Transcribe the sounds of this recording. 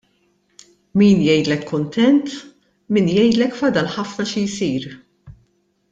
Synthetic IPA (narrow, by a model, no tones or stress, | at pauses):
miːnjɛjd̪lɛkːʊnt̪ɛnt̪ | miːnjɛjd̪lɛkfɐd̪ɐlħɐfnɐʃijsiːɾ